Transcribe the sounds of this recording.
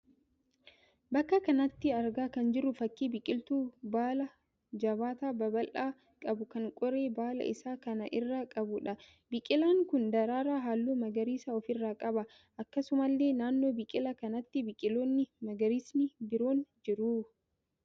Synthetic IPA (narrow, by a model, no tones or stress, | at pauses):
bɐkːɐkɐnɐt̪ːɪɐɾɡaːkɐnd͡ʒɪɾːʊfɐkːiːbɪkʼɪlt̪uːbaːlɐ | d͡ʒɐbaːt̪aːbɐbɐlʔaː | kʼɐbʊkɐŋkʼɔɾe̞ːbaːlɐ̰ʔɪsaːkɐnɐʔɪrːaːkʼɐbʊᶑɐ | bɪkʼɪlaːŋkʊnd̪ɐɾaːɾaːɦaːlːuːmɐɡɐɾiːsɐɔfɪrːaːkʼɐbɐ | ʔɐkːɐsʊmɐlːe̞ːnaːnːo̞ːbɪkʼɪlɐkɐnɐt̪ːɪbɪkʼɪlo̞ːnːɪmɐɡɐɾiːsnɪbɪɾo̞ːnd͡ʒɪɾu